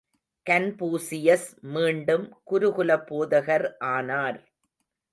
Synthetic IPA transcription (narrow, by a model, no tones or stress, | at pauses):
kɐnpuːsɪjɐsmiːɳɖɯmkʊɾʊɣʊlɐpːoːðɐɣɐɾʔaːnaːɾ